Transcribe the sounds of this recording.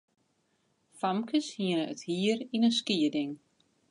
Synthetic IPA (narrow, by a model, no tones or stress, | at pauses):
famkəshiənəəthiəɾinənskiədɪŋ